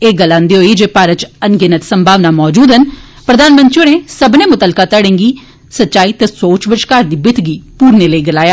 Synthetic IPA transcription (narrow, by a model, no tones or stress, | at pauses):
eːɡəlːãːnd̪iːɦoːiːd͡ʒeːpaːɾət͡ʃənɡɪnət̪səmbʱaːʋnaːmɔːd͡ʒuːd̪ɦən | pɾəd̪aːnmə̃nt̪ionẽːsəbnẽːmʊt̪əlkaːt̪əɽẽːŋɡiː | sətːʃaːiːt̪ɛsoːt͡ʃʋɪt͡ʃkaːɾd̪iːbɪt̪ɡiːpuːɾneːləiːɡɪlaːjaː